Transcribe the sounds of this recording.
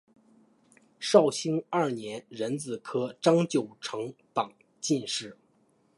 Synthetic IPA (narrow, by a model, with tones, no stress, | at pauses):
ʂɑ˥˩ʊɕi˥ŋa˞˥˩njɛ˧˥nɻə˧˥nt͡sɹ̩˨˩kʰɤ˥ʈ͡ʂɑ˥ŋt͡ɕjo˨˩ʊʈ͡ʂʰɤ˧˥ŋt̪ɑ˨˩ŋ | t͡ɕi˥˧nʂɻ̩˥˩